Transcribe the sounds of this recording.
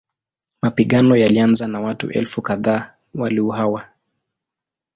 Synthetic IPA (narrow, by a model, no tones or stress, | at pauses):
mapiɠanɔjalianzanawatṵʔɛ̰lfukaðaː | waliuɦawa